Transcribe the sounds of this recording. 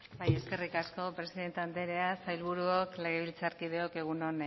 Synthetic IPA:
baje̞ske̞rikasko̞pɾe̞siðe̞nt̪eand̪eɾe̞asajlβ̞uɾuokle̞ɣ̞e̞βilt͡saɾkiðe̞o̞ke̞ɣ̞uno̞n

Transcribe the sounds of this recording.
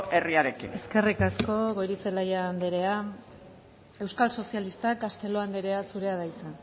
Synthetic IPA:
eriaɾe̞kḭne̞ske̞rikasko̞ɣojɾit͡selajaːnd̪eɾe̞a | e̞wskalso̞sialist̪akast̪e̞lo̞and̪eɾe̞asuɾe̞að̞ajt͡san

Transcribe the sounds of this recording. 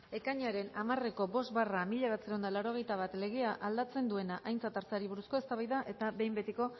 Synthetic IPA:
e̞kaɲaɾe̞namare̞ko̞bo̞st̪βaramiʎaβat͡seɾaond̪alawɾo̞ɣ̞e̞jt̪aβ̞at̪le̞ɣ̞e̞aʔald̪at͡se̞nd̪ue̞naʔajnt͡sat̪aɾt͡saɾiβ̞uɾusko̞e̞st̪aβajðaʔe̞t̪aβe̞jmbe̞t̪iko̞

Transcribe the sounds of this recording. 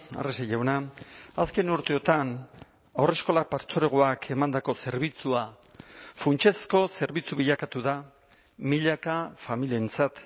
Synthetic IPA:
a̰resaʝawnaaske̞nuɾt̪e̞o̞t̪an | awre̞sko̞lapaɾt͡so̞ɾe̞ɣ̞oakʰe̞mand̪ako̞se̞ɾβit͡sua | funt͡ʃe̞sko̞se̞ɾβit͡suβiʎakat̪uða | miʎakafamilient͡sat̪

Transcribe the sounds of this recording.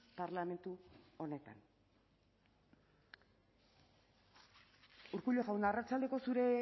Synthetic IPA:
paɾlame̞nt̪uo̞ne̞t̪a̰n | uɾkuʎo̞ɣawnd̪aːrat͡sald̪e̞ko̞suɾe̞

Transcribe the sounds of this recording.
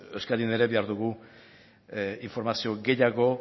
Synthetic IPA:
eskaðine̞ɾe̞be̞aɾðuɣu | iɱfo̞ɾmasio̞ɡe̞jaɣo̞

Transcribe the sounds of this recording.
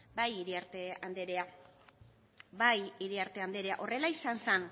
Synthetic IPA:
bajiɾiaɾt̪eand̪eɾea | bajiɾiaɾt̪e̞and̪e̞ɾe̞a̰ʔo̞re̞laisansen

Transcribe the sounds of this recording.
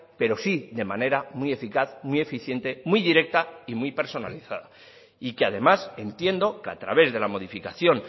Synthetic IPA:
pe̞ɾo̞siðe̞mane̞ɾamwie̞fikaθmwie̞fiθje̞nt̪e̞mwiðiɾe̞k̚t̪aimwipe̞ɾso̞na̰liθaða | ikeað̞e̞mase̞nt̪je̞nd̪o̞ka̰t̪ɾaβe̞zðe̞lamo̞ð̞ifikaθjo̞n

